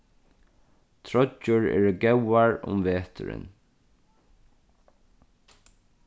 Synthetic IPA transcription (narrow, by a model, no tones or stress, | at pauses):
t̪ʰɹɔt͡ʃːʊɹɛ̰ːɹɡɛwaɹʊ̰mʋeːt̪ʰʏɾɪ̰n